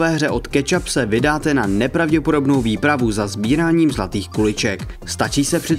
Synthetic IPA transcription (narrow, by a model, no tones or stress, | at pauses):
vɛːɦrɛʔo̞t̪kɛt͡ʃapsɛvɪdaːt̪ɛnanɛpɾavɟɛpodo̞bno̞wviːpɾavuzazbiːɾaːɲiːmzlat̪iːxkulɪt͡ʃɛk | st̪at͡ʃiːsɛpr̝̥ɪ